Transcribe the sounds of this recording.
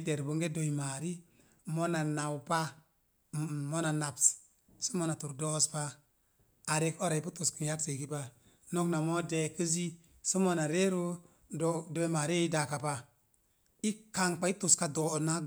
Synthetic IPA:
de˨ɾbu˨ŋɡe˦do˨i˨ma˨ɾi˦ | mo˦na˨na˨wpa˦ | mo˦na˨na˨ps | su˦mo˦na˨tu˨ɾdo˦spa˦ | a˨ɾe˦ko˦ɾa˨i˨˦pu˦tu˨ski˨n˦ja˦k̚se˨ki˦pa˦ | no˦kna˨mo˦de˨ki˦zi˦ | su˦mo˦na˨ɾe˦ɾo˦ | do˨ima˨ɾi˦i˦da˨ka˨pa˦ | i˦ka˨ŋk͡pa˦i˦tu˨ska˨do˨na˦

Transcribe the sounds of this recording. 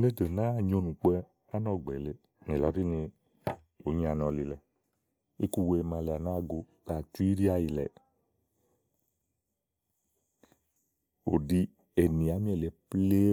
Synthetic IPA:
ne˦də˨nã˦ɲo˧˦nũ˨k͡pɛ˧ | a˦nɔ̃˧˨ɡ͡bɛ˨le˨˦ | nẽ˨lɔ˨˦di˦nĩ˧ | o˨˦ɲĩ˦a˧nɔ̃˧li˨lɛ˨ | i˦ku˧we˧mã˧le˨a˨nãː˦ɡo˧ | ka˨tu˦i˦ɾi˦a˦ji˨lɛ̰˨ | o̰˨di˧ | e˨nĩ˨a˨˦mĩ˦ɛ˨le˨˦ple˦

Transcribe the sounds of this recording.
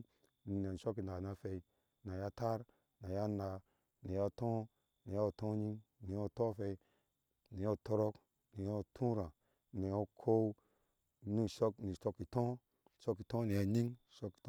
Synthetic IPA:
n˨n˨e˨n˨ʃo˦k̬i˨na˨na˧fe˧i˨ | na˨ja˦ta˦ɾ | na˨ja˦na˧ | ni˨ja˦tõ˦ | ni˨ja˦˨tõ˦ɲi˦ŋni˨˦o˦tõ˦fe˧i˦ | ni˨jo˦˨to˧ɾo˦k | ni˨jo˦tʰũ˦ɾã˨ | ni˨o˦kʰo˦ | ni˦˨ʃo˦kni˨to˧kːi˨tõ˦˨ | ʃo˦kːi˨tõ˦ni˨ja˦˨ɲi˦ŋ˨ʃo˦ki̥˨t

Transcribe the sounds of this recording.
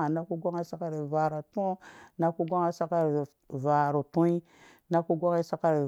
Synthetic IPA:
a˨na˦ku˦ɡʷa˦ŋa˦sa˦ka˦ɾi˨va˨ɾa˨tõ˦na˦ku˦ɡʷa˦ŋa˦sa˦ka˦ɾ | va˨ɾu˨tũ˦i˦ | na˦ku˦ɡʷa˦ŋi˦sa˦ka˦ɾi˨

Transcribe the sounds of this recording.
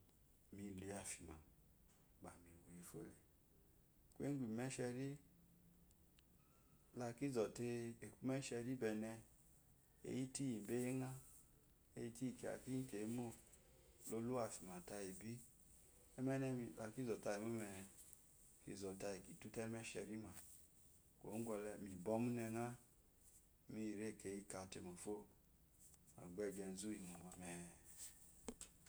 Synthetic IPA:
mi˧˨le˨˦a˨fi˨ma̰˨ | ba̰˨mi˨wu˨i˧fo̰˦lɛ˨ | kʷḛ˦ɡʷi˨mɛ˦ʃɛ˧ɾi˦ | la˧ki˦zɔ˨te˧e˨ku˦mɛ˦ʃɛ˧ɾi˦bɛ˧nɛ˧ | ḛ˦˨ji˦ti˦ji˨be˦e˦ŋa˦ | e˧ji˦ti˦i˨ki˨a̰˨ki˦te˨˦mo˦ | lo˧lu˦a˨fi˨ma˨ta˧ji˨bi˦ | ɛ˦mɛ˦nɛ˧i˧˨a˧ki˦zɔ˨ta˧ji˨mo˦mɛ˧nɛ˧ | kḭ˧˨zɔ˨ta˧i˨ki˨tu˦tɛ˦mɛ˦ʃɛ̰˧˨ɾi˦ma˨ | ko̰˨˦ɡʷɔ˧lɛ˧mi˨bɔ˧˦mu˦nɛ˧ŋa˦ | mi˦˨ɾe˦˨ke˧˨ji˦ka˧˨te˧mo˨fo˦˨ | a̰˨ɡ͡bɛ˧ɡɛ˧n˦zu˦i˨mo˨ma˨mɛ˨

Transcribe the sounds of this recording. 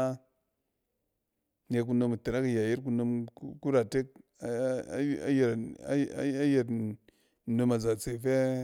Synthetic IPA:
a˦ | ne˨k̬u˨˦no˨mə˨te˨ɾa˦ka˨ja˨ji˦ɾk̬u˦no˨m˦ku˦ɾa˨te˦k̚ | a˦a̰˦je˨ɾa˦a˦je˨ɾ | no˨ma˨za˨t͡se˨fe˦

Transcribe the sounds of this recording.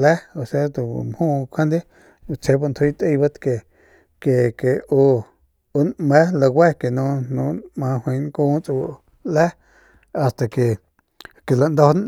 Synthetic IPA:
lɛ˦o˧˨se˦t̪ṵ˨m˨hũː˦˧kʰʷã˦nd̪i˦˧ | t͡se˧˦ba˧nt̪ʰwi˦t̪ə˦˧ba˦t̪ke˨ | ke˨ke˨o˧ | o˧nmɛ˦la˧ɡʷwɛ˦ke˨nũ˦nũ˦mã˧hwĩ˧ŋkũː˦t͡su˧w | lɛ˦ | a˧st̪a˨ke˨ | ke˨la˨ʔnd̪o˧˦n

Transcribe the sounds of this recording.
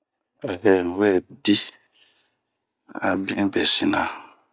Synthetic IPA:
a˨ɦɛ˨ñ˨wɛ˦˨di˦ | a̰˨bĩ˦bɛ˨si˦nã̰˨

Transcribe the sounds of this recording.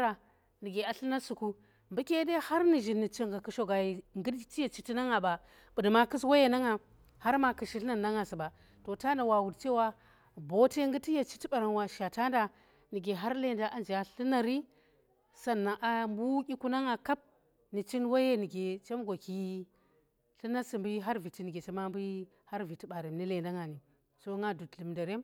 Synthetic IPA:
ɾa˨ | ni˨ɡe˨a˨ɬɨ˦na˦su˨ku˦ | mbu˦kʲe˦de˦ha˦ɾni˨ʒi˨nːi˨t͡ʃi˦ŋɡa˨ku˨ʃo˨ɡa˨ji˨ŋɡi˦dti˦je˨t͡ʃi˨ti˦na˦ŋa˨ba˨ | bu˨di˨ma˦ki˦swa˦je˦na˦ŋa˨ | ha˦ɾma˨kɨ˨ʃi˦ɬna˦˨nːa˦ŋa˨si˨ba˨ | to˨ta˦nda˨wa˨wu˨dt͡ʃe˦wa˦ | bo˦te˦ŋɡɨ˦tːi˦je˨t͡ʃi̥˦ti˦ɓa˨ɾa˨nwa˨ʃa˨ta˦nda˨ | ni˨ɡe˨ɦa˦ɾle˦˨nda˦ʔa˦nd͡ʒi˨a˨ɬɨ˦na˦ɾi˦ | sa˦˨nːa˨ŋʔa˨mbu˦kʲi˦ku˦na˦ŋa˨ka˦p̚ | ni˨t͡ʃi˦nwa˦je˦ni˨ɡe˨t͡ʃe˦mɡʷo˨ki˦ | ɬɨ˦na˦si˨mbu˦jɦa˦ɾvi˨ti˦ni˨ɡe˨t͡ʃe˦ma˦mbu˦ | ha˦ɾvi˨ti˦ɓa˨ɾe˨mni˦le˨nda˦ŋa˨ni˨ | so˦ŋɡa˦du˨tli˨mda˨ɾe˦m

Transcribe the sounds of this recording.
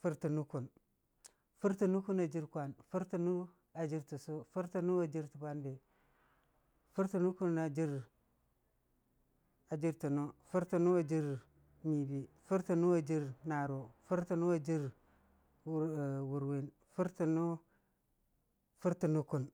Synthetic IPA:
fu˦ɾti˨nu˦ku˨n | fu˦ɾti˨nu˦ku˦na˨d͡ʒi˦ɾkʷa˨nfu˦ɾti˨nu˦ | a˨d͡ʒi˦ɾtu˨su˦fu˦ɾti˨nu˦a˨d͡ʒi˦ɾtu˨ba˦nbe˨ | fu˦ɾti˨nu˦ku˦na˨d͡ʒi˦ɾ | a˨d͡ʒi˦ɾtu˨no˦fu˦ɾtu˨nu˦a˨d͡ʒi˦ɾ | mi˨bi˨ | fu˦ɾti˨nu˦a˨d͡ʒi˦ɾna˨ɾo˨fu˦ɾti˨nu˦a˨d͡ʒi˦ɾ | wu˨ɾwe˦n | fu˦ɾti˨nu˦ | fu˦ɾti˨nu˦ku˨n

